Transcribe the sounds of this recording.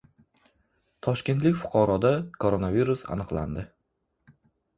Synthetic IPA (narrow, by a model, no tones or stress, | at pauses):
t̪ʰɒʃkʲe̞nt̪lɪkʲfʊ̥qʰɑɾɒd̪akʰoɾonaviɾusa̰nɨqlˠa̰nd̪ɪ